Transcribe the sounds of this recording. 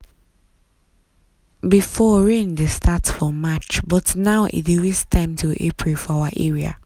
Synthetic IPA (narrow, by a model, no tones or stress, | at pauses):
bifɔɹẽndestʰatfɔmat͡ʃbɔtnaʊʔḭdiɹistʰãɪ̃mtʰuʔepʰɹefɔawaʔɛɹia̰